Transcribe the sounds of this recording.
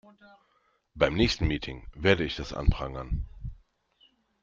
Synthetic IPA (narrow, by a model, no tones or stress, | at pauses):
b̥aɪmnɛːçstn̩miːtʰɪŋveːɐdəɪçd̥asʔa̰ntʁ̥aŋən